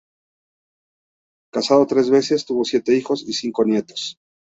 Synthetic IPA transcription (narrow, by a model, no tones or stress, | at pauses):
kasað̞o̞t̪ɾe̞zβe̞se̞st̪uβo̞sje̞t̪e̞ixo̞sisiŋko̞nje̞t̪o̞̥s